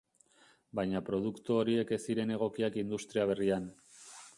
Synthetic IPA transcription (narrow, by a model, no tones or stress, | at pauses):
bajɲapɾo̞ð̞ukt̪uoɾie̞ke̞siɾe̞ne̞ɣ̞o̞kiakind̪ust̪ɾiaβ̞e̞rian